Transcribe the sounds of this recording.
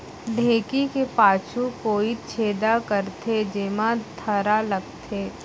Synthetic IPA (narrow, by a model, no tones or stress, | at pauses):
d̪ʱeːkikepaːt͡ʃʰukoːit͡ʃʰeːd̪akəɾt̪ʰed͡ʒeːmãt̪ʰɐɾalɐɡ̚t̪ʰeː